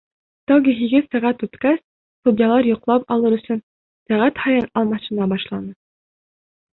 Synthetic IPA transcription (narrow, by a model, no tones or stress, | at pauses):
t̪ɑwɡʲiɦiɡɘsæʁæt̪ʉt̪kæs | t̪ud̪ʲjɑlˠɑɾjŏqlˠɑpɑlˠɤɾɵ̆sɵn | sæʁæt̪hɑjɤnɑlˠmɑʃɤ̆nɑbɑʃlˠɑnɤ